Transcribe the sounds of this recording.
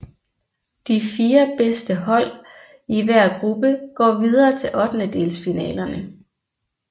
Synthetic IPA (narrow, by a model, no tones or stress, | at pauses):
d̥ifiːɐb̥esd̥əɦɒ̽l̰ | iʋæɐ̰ɡ̥ʁub̥əɡ̥ɒ̰ːʋið̞ˠɐːt͡sʰe̝lʔɒ̽d̥nəd̥e̝ːlsfinɛ̰ːlɐnə